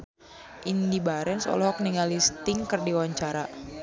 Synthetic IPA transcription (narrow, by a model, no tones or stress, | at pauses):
ʔindibaɾɛnsɔ̰lɔɦɔk̚niŋalist̪ɪŋkərdiwaɲt͡ʃaɾa